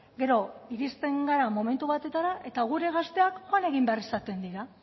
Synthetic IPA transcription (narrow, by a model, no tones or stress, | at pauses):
ɡe̞ɾo̞iɾist̪e̞ŋɡaɾamo̞me̞nt̪uβat̪e̞t̪aɾaʔe̞t̪aɣ̞uɾe̞ɣast̪e̞akxoane̞ɣimbe̞aɾisat̪e̞nd̪iɾa